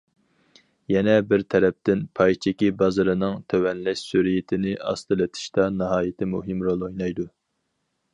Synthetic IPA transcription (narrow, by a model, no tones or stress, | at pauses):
jɛnɛbɪɾt̪ʰɛɾɛp̚t̪ɪnpʰɑjt͡ʃʰɪkʲibɑzɨɾɨnɨŋt̪ʰøwɛnlɛʃsyɾɪjɪt̪ʰɪnɪɑ̰st̪ɨlɪt̪ʰɪ̥ʃt̪ɑnɨɦɑːjɪt̪ʰɪmuɦɨmɾolˠojnɑjd̪u